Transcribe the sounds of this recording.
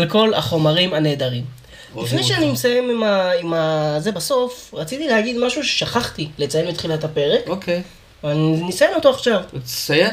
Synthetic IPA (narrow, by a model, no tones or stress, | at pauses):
alko̞la̰χo̞maʁimane̞ːd̪aʁim | lifne̞jʃeaniimsajemimaimaze̞baso̞fʁat͡sit̪ilehaɡid̪maʃuʃe̥ʃaχaχt̪ilet͡sajenmit̪χilatape̞ʁe̞koke | veaninisaje̞no̞toaχʃavsaje